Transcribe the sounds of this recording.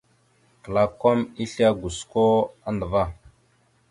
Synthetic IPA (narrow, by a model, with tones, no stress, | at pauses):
kə˨la˨ko˦mi˦ɬi˦a˦ɡu˨sko˦a˦ndə˨va˦